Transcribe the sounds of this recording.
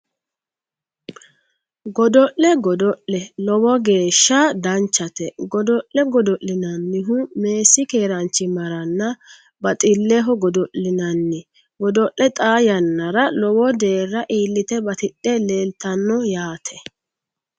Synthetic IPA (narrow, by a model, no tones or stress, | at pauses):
ɡɔd̪ɔʔlɛɡɔd̪ɔʔɛlɔwɔɡe̞ːʃːɐd̪ɐnt͡ʃːɐt̪ɛɡɔd̪ɔʔɛɡɔd̪ɔʔːɪnɐnːɪɦʊme̞ːsːɪke̞ːɾɐnt͡ʃːɪmɐɾɐnːɐ | bɐt̪ʼɪlːɛɦɔɡɔd̪ɔʔɪnɐnːɪ | ɡɔd̪ɔʔːɛt̪ʼaːjɐnːɐɾɐlɔwɔd̪e̞ːrːɐʔiːlːɪt̪ɛbɐt̪ɪɗːɛle̞ːlt̪ɐnːɔjaːt̪ʰɛ̥